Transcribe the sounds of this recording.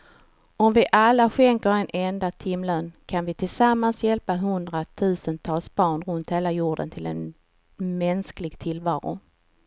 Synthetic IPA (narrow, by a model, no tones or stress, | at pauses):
ɔmvɪʔalːaɧɛŋkəɾɛnʔɛnd̪at̪ʰɪmløːnkʰanvɪt̪ʰɪlsamːansjɛlpaɦɵnd̪ɾat̪ʰʉ̟ːsənt̪ʰɑːlsbɑːɳɾɵnt̪heːlajuːɖə̰nt̪ʰɪlɛ̰n | mɛnsklɪɡt̪ʰɪlvɑːɾʊ̰